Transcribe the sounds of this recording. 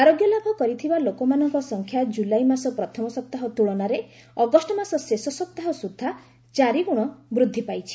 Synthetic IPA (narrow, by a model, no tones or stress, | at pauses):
aɾoɡjɔlabʱɔkɔɾit̪ʰibalokɔmanɔŋkɔsɔŋkʰjad͡ʒulajmasɔpɾɔt̪ʰɔmɔsɔp̚t̪aɦɔt̪uɭɔnaɾe | ɔɡɔsʈɔmasɔsesɔsɔp̚t̪aɦɔsud̪ʱːa | t͡ʃaɾiɡuɽ̃ɔbɾud̪ʱːipajt͡ʃʰi̥